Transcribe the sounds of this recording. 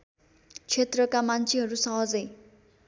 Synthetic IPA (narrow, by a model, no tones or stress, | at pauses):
t͡sʰet̪rʌkamant͡sʰiɦʌɾusʌɦʌd͡zʌj